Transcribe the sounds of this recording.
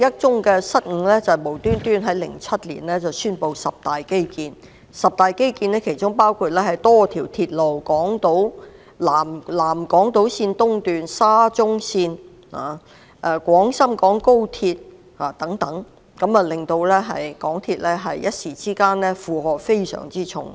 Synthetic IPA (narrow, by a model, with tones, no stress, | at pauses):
jɐ˥t̚t͡sʊ˥ŋkɛː˧sɐ˥t̚ŋ̩˨˧˥lɛː˥t͡sɐ˨˩mo˨˩wt̪yː˥nt̪yː˥nɦɐ˨˥jlɪ̰˨˩ŋt͡sʰɐ˥t̚lḭː˨˩nlɛː˥t͡sɐ˨wsyː˥npo˧wsɐ˨p̚t̪aː˨jke˥jkiː˧n | sɐ˨p̚t̪aː˨jke˥jkiː˧nɛː˥kʰe˨˩jt͡ʃʊ˥ŋpaː˥wkʰuː˧t̚lɛː˥hɐ˨˩jt̪ɔː˥t̪ʰiː˨˩wt̪ʰiː˧t̚lo˨˩wkɔː˨˥ŋt̪o˨˥w | laː˨˩mlaː˨˩mkɔː˨˥ŋt̪o˨˥wsiː˧nt̪ʊ˥ŋt̪yː˨nsaː˥t͡sʊ˥ŋsiː˧n | ha̰ː˨˩ | ɛ˨˧kʷɔː˨˥ŋsɐ˥mkɔː˨˥ŋko˥wt̪ʰiː˧t̚ | haː˨˩t̪ɐ˨˥ŋt̪ɐ˨˥ŋ | kɐ˨˧˥mɐ˨lɪ˨˩ŋt̪o˧wlɛː˥ɦɐ̰˨jkɔː˨˥ŋt̪ʰiː˧t̚lɛ˥ɦɐ˨jjɐ˥t̚siː˨˩t͡siː˥kaː˥nlɛː˥fuː˨˧hɔː˨k̚fe˥jsœ̰ː˨˩ŋt͡siː˥t͡ʃʰʊ̰˨˩ŋ